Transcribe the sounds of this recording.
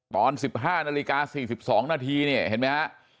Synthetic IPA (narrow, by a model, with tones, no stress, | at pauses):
t̪ɔː˧nsi˨˩p̚ɦaː˥˩naː˧li˦˧kaː˧siː˨˩si˨˩p̚sɔː˩˦ŋnaː˧t̪ʰiː˧ni˥˩ɐhe˨˩˦nma˦˥ha˦˥ʔ